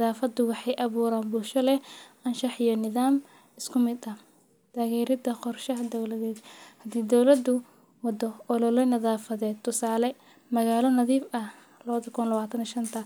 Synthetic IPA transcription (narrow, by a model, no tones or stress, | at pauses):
nɐðaːfɐd̪ʊwɑħɑjʔɐβuːɾaːnbʊlʃɔlɛɐnʃɑħijɔnɪðaːm | ɪskʰʊmɪd̪ɐ | t̪ʰaːɣɛːɾɪd̪ɐqɔrʃɐɦɐd̪ɔwlɐðɛːd̪hɐd̪iːd̪ɔwlɐd̪ʊ | wɑd̪ɔʔɔlɔlɛnɐðaːfɐðɛːd̪̚t̪ʰːʊsaːlɛ | mɐɣaːlɔnɐðiːfɐh | lɐβɐðɐkʰʊnlɐβaːt̪ʰɐniʃɐnt̪ʰɐ